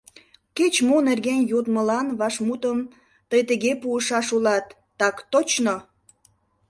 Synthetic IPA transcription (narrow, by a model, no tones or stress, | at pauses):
ket͡ɕmonerɣenjot̪məlɑnβɑʃmut̪əm | t̪əjt̪əɣepuəʃɑʃulɑt̪ː | ɑkt̪ot͡ɕno